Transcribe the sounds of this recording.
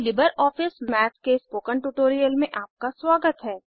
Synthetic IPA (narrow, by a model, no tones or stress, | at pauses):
lɪbəɾɔːfɪsmɛːt̪kespoːkə̃ɳʈuʈoːɾijəlmẽʔaːp̚kaswaːɡət̪ɦɛː